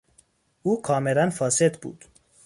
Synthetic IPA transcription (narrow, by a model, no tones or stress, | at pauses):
ʔuːkʰɒːmelænfɒːsed̪bṵːd̪̥